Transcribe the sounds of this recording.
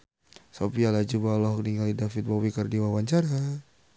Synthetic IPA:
sopialad͡ʒubalɔhkniŋalidafit̪̚bawikərdiwawaɲt͡ʃaɾa

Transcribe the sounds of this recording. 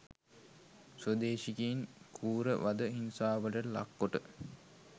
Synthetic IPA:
sod̪eːʃikiːnkʰuːɾəʋad̪əɦinsaːʋəʈəla̰kːoʈə

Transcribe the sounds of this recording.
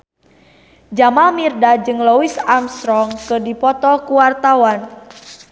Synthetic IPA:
d͡ʒamalmirdad͡ʒɨŋlɔwisamsɾɔŋkɨrdipɔt̪ɔkuwart̪awan

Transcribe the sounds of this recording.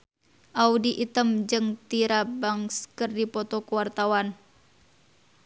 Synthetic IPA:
ʔaudiʔit̪əmd͡ʒɨŋt̪iɾabaŋskərdipɔt̪ɔkuwart̪awan

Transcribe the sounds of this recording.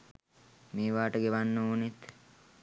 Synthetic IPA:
meːʋaːʈəɡeʋanːəunit̪

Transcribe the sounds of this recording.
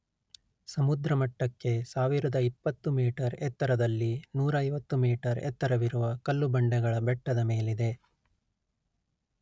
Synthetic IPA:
sɐmud̪ɾɐmɐʈːɐkːe̞saːʋiɾɐd̪ɐipːɐt̪ːumiːʈɐɾɛt̪ːɐɾɐd̪ɐlːinuːɾɐɐjʋɐt̪ːumiːʈɐɾɛ̰t̪ːɐɾɐʋiɾuʋɐkɐlːubɐɳɖɛɡɐɭɐbɛʈːɐd̪ɐme̞ːlid̪e̞

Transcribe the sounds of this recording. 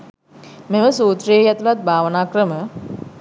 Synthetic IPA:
meməsuːt̪ɾijejat̪ulat̪̚bʱaːʋənaːkrəmə

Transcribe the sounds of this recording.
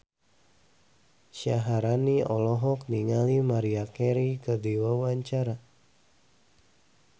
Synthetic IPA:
ʃaɦaɾaniɔlɔɦɔk̚niŋalimaɾiakɛɾikədiwawaɲt͡ʃaɾa

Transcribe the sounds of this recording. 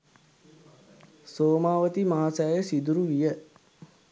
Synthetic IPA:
soːmaːʋət̪imaɦasaːjəsid̪uɾuʋijə

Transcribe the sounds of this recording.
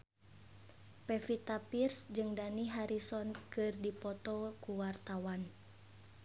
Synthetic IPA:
pɛfit̪apirsd͡ʒɨŋdaniɦaɾisɔnkɨrdipɔt̪ɔkuwart̪awan

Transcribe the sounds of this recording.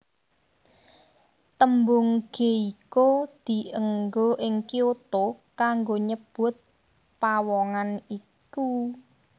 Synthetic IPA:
t̪əmbʊŋɡ̥eikod̪̥i̤əŋɡoʔɪŋkiot̪okaŋɡoɲəb̥ʊ̤t̪̚ | pawɔŋani | ku

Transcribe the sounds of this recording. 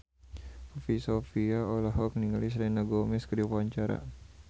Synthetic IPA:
fisofiaolaɦɔkniŋalis̬lɛnaɡɔmɛskədipaɲt͡ʃaɾa̰

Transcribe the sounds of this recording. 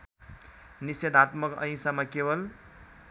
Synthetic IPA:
nised̪at̪mʌkʌ̰ĩsamakebʌl

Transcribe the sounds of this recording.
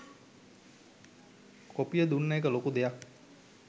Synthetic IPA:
kopijəd̪unːəjekəlokud̪ejak̚

